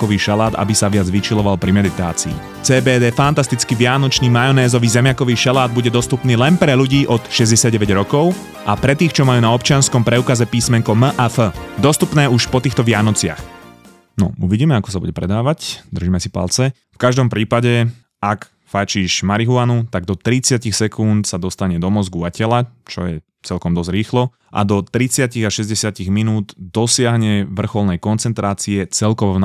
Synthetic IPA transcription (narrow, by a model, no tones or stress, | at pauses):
kɔʋiːʃalaːd̪a̰bisaʋɪad͡zʋit͡ʃilɔʋalpɾimɛd̪it̪a̰ːt͡sḭː | t͡sɛːbɛːd̪ɛːfant̪ast̪it͡skiʋɪanɔt͡ʃniːmajɔnɛːzɔʋiːzɛmɪakɔʋiːʃalaːd̪̚buɟɛd̪ɔst̪upniːlɛnpɾɛʎuɟiːʔɔt̪ʃɛzɟɛsɪad̪ɟɛʋɛɟɾɔkɔʊ | ʔapɾɛt̪iːxt͡ʃɔmajuːnaɔpt͡ʃɪanskɔmpɾɛukazɛpiːsmɛŋkɔməʔafəd̪ɔst̪upnɛːuʃpɔt̪iːxt̪ɔʋɪanɔt͡sɪa̰x | nɔ̰uʋiɟiːmɛakɔ̥sabuɟɛpɾɛd̪aːʋacd̪r̩ʒiːmɛsipa̰lt͡sɛ | fkaʒd̪ɔmpɾiːpaɟɛ | ak | fat͡ʃiːʃmaɾiɦuanut̪aɡ̚d̪ɔt̪ɾit͡sɪacixsɛkunt̪sad̪ɔst̪aɲɛd̪ɔmɔzɡuacɛlat͡ʃɔ̰jɛ̰ | t͡sɛlkɔmd̪ɔzɾiːxlɔ | ʔa̰d̪ɔt̪ɾit͡sɪaciɣaʃɛzɟɛsɪaciɣminuːd̪d̪ɔsɪaɦɲɛʋr̩xɔlnɛjkɔnt͡sɛnt̪ɾaːt͡siɛt͡sɛlkɔʋɔn